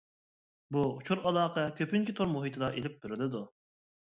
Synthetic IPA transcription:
buut͡ʃʰuɾɑlˠɑːqʰɛkʲʰøpynt͡ʃʰɪt̪ʰoɾmoɦit̪ʰɨd̪ɑʔelɪp̚bɪɾɪlɪd̪u

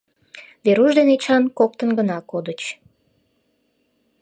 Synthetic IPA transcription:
βeɾuʒd̪enet͡ɕɑnkok̚t̪ənɡənɑkod̪ət͡ɕ

